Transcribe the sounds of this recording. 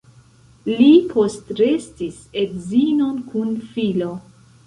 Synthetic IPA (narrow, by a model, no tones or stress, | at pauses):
lipʰo̞stɾestisedzino̞nkʰunfilo̞